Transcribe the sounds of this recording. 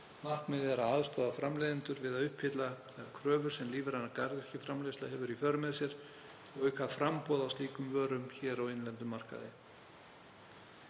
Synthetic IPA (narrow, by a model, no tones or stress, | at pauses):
mahkmɛðɛɾaðaːðst̪ɔːðafɾamleːðɪnt̪ʏɾvɪðaðʏhpʰhɪt̪laθaakʰɾœːvʏɾ̥sɛmliːvɪɾanːaɾkaɾðɪ̥cɪfɾamlestlahɦɛvʏɾifœɾʏmɛðsjɛɾ̥ | ɔɣʏɥkʰvafɾampɔːðawst̪iːkʏmvœːɾʏmçɛːɾawɪnlɛnt̪ʏmːar̥ka̰ðɪ̰